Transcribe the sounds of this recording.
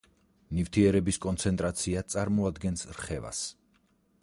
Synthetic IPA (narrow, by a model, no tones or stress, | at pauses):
nift̪ʰiɛɾɛbiskʼɔnt̪sʰɛnt̪ʼɾat̪sʰiat̪sʼaɾmɔad̪ɡɛnsɾχɛva̰s